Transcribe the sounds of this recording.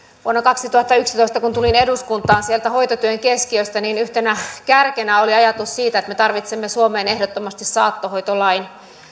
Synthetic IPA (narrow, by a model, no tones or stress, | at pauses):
uonːɑkɑksit̪uhɑt̪ːɑyksit̪oist̪ɑkunt̪uline̞duskunt̪ˑɑːnsielt̪æho̞jt̪ot̪yøŋkeskiøst̪æniːnyht̪enækærkenæoliɑjɑt̪ussiːt̪æet̪met̪ɑrʋit̪semːesuome̞ːnehdot̪ːomɑst̪issɑːt̪ːohojt̪olɑin